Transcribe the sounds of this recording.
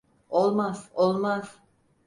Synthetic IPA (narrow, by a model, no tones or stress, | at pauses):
olˠmaz̥olˠmaz̥